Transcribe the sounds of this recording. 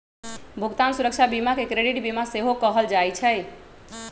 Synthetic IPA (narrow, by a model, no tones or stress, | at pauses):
bʱuɡt̪ansuɾək̚t͡ʃʰabimakekɾeɽiʈbimaseɦokəɦəld͡ʒajt͡ʃʰɛj